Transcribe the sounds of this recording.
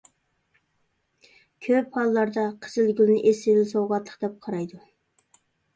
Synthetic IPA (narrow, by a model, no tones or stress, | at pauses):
kʲʰøphɑlˠːɑɾd̪ɑqʰəzɪlɡʲylˠnɪʔesɪvɪlsowʁɑt̪lˠə̥qd̪ɛp̚qʰɑɾɑjd̪u